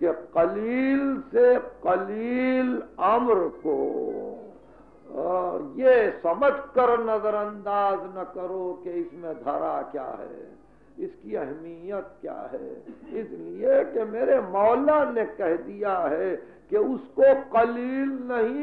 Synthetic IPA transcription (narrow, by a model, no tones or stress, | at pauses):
keqɐliːlseqɐliːlɐmɾko̰ | jesɐməd͡ʒʱkəɾnɐzəɾɐ̃nd̪aːznɐkəɾokeɪsmẽd̪ʱɐɾakja̰ːɦɛ̰ | ɪskiɛɦmijət̪̚kja̰ːɦɛ̰ɪsliekemeːɾemɔːlanekɛɦd̪ijaɦɛ | keʊskoqɐliːlnɐɦĩ